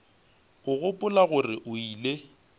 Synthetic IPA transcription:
ʊɣʊpʼʊlaɣʊrɪʔʊiːle

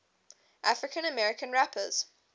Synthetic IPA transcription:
ʔafɹɪkʰə̃nəmɛɹɪkʰə̃nɹapʰəz̥

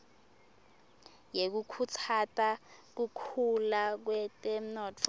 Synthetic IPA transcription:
jek̬ukʰut͡sʰatʼak̬ukʰulak̬wɛtʼɛm̩nɔtʰ

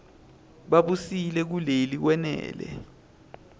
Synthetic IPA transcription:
ɓaɓusilɛk̬ulelik̬wɛnɛ̰ːlɛ̰

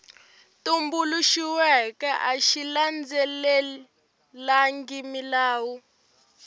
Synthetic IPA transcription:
tumbuluʃiwɛkɛʔaʃiland͡zɛlɛ | laŋɡimilaːwu

